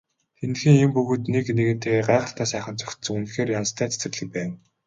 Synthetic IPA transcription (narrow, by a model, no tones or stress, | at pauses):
t̪ʰent̪xɘ̆ŋempɵɣoːt̪nekneɣɘ̆n̥t̪ʰeːɢaːʁə̆ɬt̪ʰæːsæːχə̆nt͡sœxʲt̪sɵ̆ŋunxeːrjanst̪ʰæːt͡sʰæ̥sɘ̆ɮɘ̆k̚pæːn